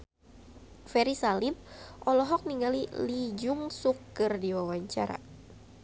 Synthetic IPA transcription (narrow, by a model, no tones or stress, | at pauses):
fɛɾisalip̚ʔɔlɔɦɔk̚niŋɡalilid͡ʒuŋsukɨrdiwawaɲt͡ʃaɾa̰